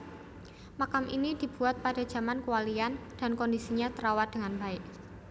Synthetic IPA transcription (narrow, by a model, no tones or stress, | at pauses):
makamʔinid̥i̤b̥ṳat̪̚pada̤d̥d͡ʒ̥a̤mankuwaliand̥a̤nkɔndisiɲat̪əɾawad̥əŋanbaɪʔ